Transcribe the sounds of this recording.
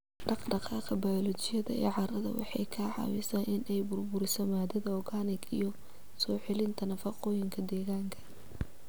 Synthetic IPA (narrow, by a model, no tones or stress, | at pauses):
ɖɑqɖɑqɑːqɐbɐjɔlɔt͡ʃɪjɐðɐ̰ḭːʕɑrɐðɐ̰wɑ̰ħɑjkʰɐʕɑ̰wɪ̰sɐnʔɪnɛjbʊrbʊɾɪsɔmaːd̪ɐðɐɔɡanɪɡijɔ | sɔːħɪlɪnt̪ʰɐnɐfɑqɔjɪŋkʰɐd̪ɛːɣaːŋkʰɐ̥